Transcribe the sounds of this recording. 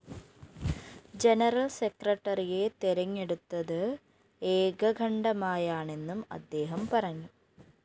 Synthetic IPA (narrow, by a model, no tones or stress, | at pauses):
d͡ʑenɐrɐlsekrɐʈːɐrije̞t̪eɾɐɲːe̞ɽut̪ːɐðɨ | eːɡɐɡʱɐɳɖɐmaːjaːɳe̞nːumɐ̰d̪ːe̞ːɦɐmpɐrɐɲːu